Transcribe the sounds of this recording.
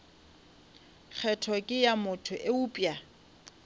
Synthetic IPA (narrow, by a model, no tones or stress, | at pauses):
k͡xʰɛtʰɔkʼɪjamʊtʰʊʔɪuːpʼja